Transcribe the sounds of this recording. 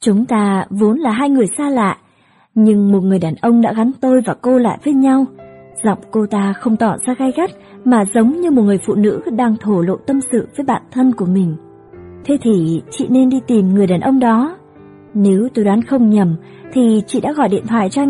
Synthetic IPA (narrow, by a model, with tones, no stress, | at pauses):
t͡ɕʊ˨˦ŋ͡mt̪aː˧vo˨˦nlaː˨˩ɦaː˧jŋɨ˨˩əjsaː˧la̰ː˧˨ʔ | ɲɨ˧ŋmo˨˩t̚ŋɨ˨˩əjɗaː˨˩nʔə˧wŋ͡mɗa̰ː˧˥ɣa˨˦nt̪o˧jvaː˨˩ko˧la̰ː˧˨jvəː˨˦jɲa˧wz̥ɔ̰˧˨wŋ͡mko˧t̪aː˧xə˧wŋ͡mt̪ɔ˧˩zaː˧ɣa˧jɣa˦˥k̚ | maː˨˩zə˨˦wŋ͡mɲɨ˧mo˨˩t̚ŋɨ˨˩əjfṵ˧˨nɨ̰˧˥ɗaː˧ŋt̪ʰo˧˩lo̰˧˨t̪ə˧msɨ̰˧˨vəː˨˦jɓa̰ː˧˨nt̪ʰə˧nku˧˩əmï˨˩ŋ̟ | t̪ʰe˨˦t̪ʰi˨˩t͡ɕḭ˧˨ne˧nɗi˧t̪i˨˩mŋɨ˨˩əjɗaː˨˩nʔə˧wŋ͡mɗɔ˨˦ | ne˨˦wt̪o˧jɗwaː˨˦nxə˧wŋ͡mɲə˨˩m | t̪ʰi˨˩t͡ɕḭ˧˨ɗa̰ː˧˥ɣɔ˧˩jɗḭ˧˨ənt̪ʰwaː˧˨jt͡ɕɔ˧